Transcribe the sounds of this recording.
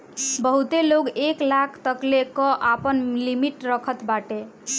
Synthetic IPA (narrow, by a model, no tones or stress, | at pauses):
bəɦut̪eloɡeklakʰt̪əklekɔʔapənlimiʈɾʌkʰət̪baʈe